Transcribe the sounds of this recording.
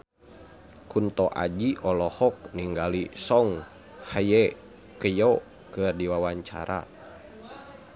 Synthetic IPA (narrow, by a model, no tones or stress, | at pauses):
kunt̪ɔʔa̰d͡ʒiʔɔlɔhɔk̚niŋɡalisɔŋ | hajɛ | kəjɔ | kɨrdiwawaɲt͡ʃa̰ɾʔa̰